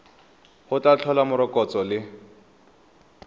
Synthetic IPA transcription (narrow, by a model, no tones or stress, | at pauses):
hʊt͡ɬʼat͡ɬʰɔlamʊɾɔkʼɔt͡sʼɔlɪ